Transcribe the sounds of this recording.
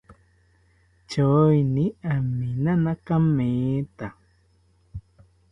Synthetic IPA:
t͡ʃoinĩamĩnãnãkamẽːt̪a

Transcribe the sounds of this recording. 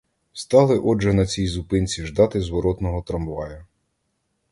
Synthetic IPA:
st̪ɑlˠɪʔɔʒɛnɐt͡sʲijzʊpɪnʲt͡sʲiʒd̪ɑt̪ɪzʋɔɾɔt̪nɔɦɔt̪ɾɐmʋɑjʊ

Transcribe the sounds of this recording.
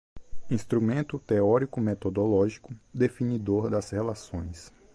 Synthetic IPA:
ĩst̪ɾumẽnt̪ʊt̪eɔɾikʊmet̪od̪olɔʒikʊd̪efinid̪oɾd̪ɐshelasõj̃s

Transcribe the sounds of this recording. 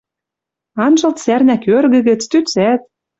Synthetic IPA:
ɑnʒɤ̆lt̪særnækørɣɘ̆ɣɘ̆t͡st̪yt͡sæt̪̚

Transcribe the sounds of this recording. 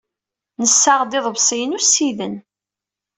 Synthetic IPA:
nəsːaʁd̪ɪðˤβsˤijənusːiðən

